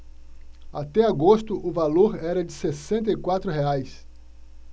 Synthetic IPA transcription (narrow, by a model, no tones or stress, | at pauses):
at̪ɛaɡost̪ʊʔʊvaloɾɛɾɐd͡ʒɪsesẽnt̪̬ɐikwat̪ɾʊɦeajs